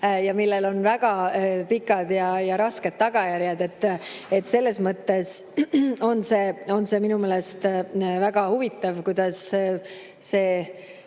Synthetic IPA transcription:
jɑmilːe̞lo̞nvæɡ̥ɑpikːˑɑd̪̥jɑjɑɾɑske̞d̪̥̚t̪ɑɡ̥ɑjæɾjɑd̪e̞t̪ːe̞t̪ːse̞lːe̞smɤt̪ːe̞s | o̞nse̞ːo̞nse̞minume̞ːle̞st̪væɡ̥ɑhuvit̪ˑːɑvkujd̪̥ɑs | se̞ː

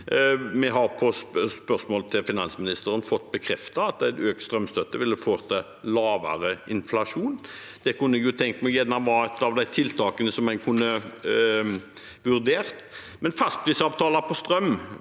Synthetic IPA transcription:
mɛɦɑʁpʰɔsspœʁsmoɔːlt̪ʰɪlfɪnɑnsmɪnɪst̪əɾənfɔt̪ːbəkʰɾɛft̪ɑɑt̪̚æɪt̪øːk̚t̪st̪ʁœmst̪œt̪ːəʋɪlːəfoːʁt̪ʰɑ | lɑːʋə̰ʁəɪnflɑʂuːn | d̪̥ɛkʰʉnəɛɡjʊt̪ʰɛŋk̪mæjɛnːɑmʋɑɛt̪ɑʋd̪æɪt̪ʰɪlt̪ʰɑːkənəsɔmænkʰʊnːə | ʋʉʁd̪eːʁt̪ | mɛnfɑst̪̚pʰɾiːsɑːʋt̪ʰɑːləpʰɔst̪ɾœm

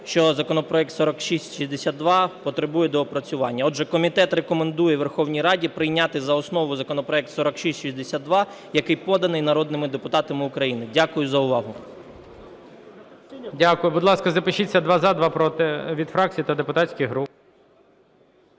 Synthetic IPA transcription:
ʃt͡ʃɔzɐkɔnɔpɾɔjɛk̚t̪sɔɾɔkʃisʲtʲʃizʲd̪esʲad̪̚d̪ʋɑpɔt̪ɾebujɛd̪ɔːpɾɐt͡sʲʊʋɑnʲːɐɔʒɛkɔmʲit̪ɛt̪rekɔmend̪ujɛʋerxɔwnʲijɾɑdʲipɾɪjnʲat̪ɪzɐɔsnɔʋʊjzɐkɔnɔpɾɔɛk̚t̪sɔɾɔkʃisʲʃizʲd̪esʲad̪̚d̪ʋɑjɐkɪjpɔd̪ɐnɪjnɐɾɔd̪̚nɪmɪd̪epʊt̪ɑt̪ɐmɪʊkɾɐjinɪdʲakʊjʊzɐʊʋɑɦʊ | dʲakʊjʊbʊd̪lˠɑskɐzɐpɪʃit͡sʲːɐd̪ʋɑzɑd̪ʋɑpɾɔt̪ɪʋʲid̪fɾɑk̚t͡sʲijit̪ɐd̪epʊt̪atʲsʲkʲɪjɦɾup

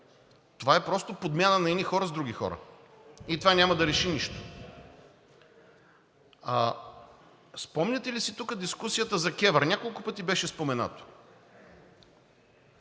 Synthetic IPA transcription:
t̪ovaɛpɾɔst̪opod̪mʲjanənɐinixɔɾəzd̪ɾuɡʲixɔ̰ɾə̰ | it̪ovanʲamɐd̪ɐɾɛʃiniʃt̪o̥ | a | spɔmnʲɛt̪ɛlisit̪ukəd̪iskusijət̪əzɐkʲɛvəɾnʲakolˠkʊpɤt̪ibɛʃɛspomɛna̰t̪o̥

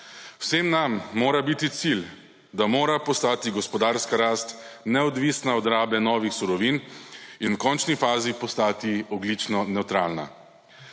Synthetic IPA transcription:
w̥semnamːoːɾabit̪it̪sil | d̪amoːɾapɔst̪aːt̪iɡɔspɔd̪aːɾskaɾaːst̪nɛɔd̪ʋisnaɔd̪ɾaːbɛnɔːʋixsuɾɔʋiːninwkɔnt͡ʃnifaːzipɔst̪aːt̪iɔɡlit͡ʃnɔnɛwt̪ɾaːlna̰

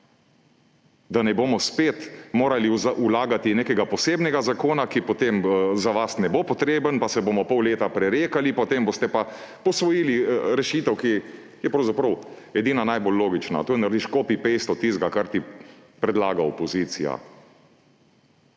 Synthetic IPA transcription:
d̪anɛboːmɔspeːt̪moːɾaliaʔulaːɡat̪ineːkɛɡapɔseːbnɛɡazakoːnakipɔt̪emzaʋasnɛbopɔt̪ɾeːbənpasɛboːmɔpɔwleːt̪apɾɛɾeːkalipɔt̪eːmboːst̪ɛpa | pɔsʋɔjiːliɾɛʃiːt̪ɛwki | jɛpɾɐwzapɾəw | ɛd̪iːnanajbolːoːɡit͡ʃna̰t̪oːjɛnaɾd̪iʃkoːpipejst̪ɔt̪izɡakaɾt̪ipɾɛd̪laːɡaɔpɔziːsḭja̰

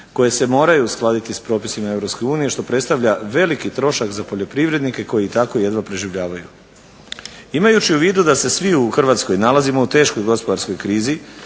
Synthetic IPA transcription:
ko̞je̞se̞mo̞ːɾajusklˠaːd̪it̪ispɾo̞ːpi̥simae̞vɾo̞psko̞juːnije̞ʃt̪o̞pɾe̞t̪st̪aʋʎaʋe̞likit̪ɾo̞ʃakzapo̞ʎʲo̞pɾiʋɾe̞d̪nike̞ko̞jiit̪akoije̞d̪ʋapɾe̞ʒiʋʎaːʋaju | imajut͡ʃiuʋiːd̪ud̪ase̞sʋiuxr̩ʋaːt̪sko̞jnalˠazimo̞ut̪e̞ːʃko̞jɡo̞spo̞d̪aɾsko̞jkɾiːzi

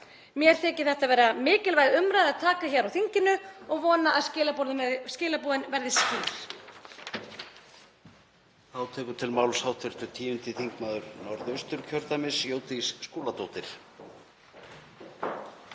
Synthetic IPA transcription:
mjɛɾ̥θɛːcɪ̥θɛht̪avɛːɾamɪːcɪlvaːjðʏmɾaːjðaðt̪ʰaːkaçɛɾawθiɲcɪnʏɔɣvɔːnaʔːðscɪːlapɔɾðʏɛscɪːlapuːðɪnvɛɾðɪsciːɾ̥ | θawt̪ʰɛːkʏt̪ʰɪlmawlsawt̪ʰɪɾ̥t̪ʏt̪ʰiːʏnt̪ɪθiŋkmaːðʏɾnɔɾðœɥst̪ʏɾ̥cʰœɾt̪amɪsjoːwt̪isːkoːlat̪oːwt̪ɪɾ̥

